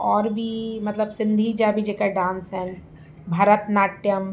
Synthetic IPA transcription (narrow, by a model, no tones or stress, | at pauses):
ɔːɾbʱimɐt̪ləbsɪ̃nd̪ʱid͡ʒabʱid͡ʒekaɖãːnsɛn | bʱaːɾət̪naːʈjəm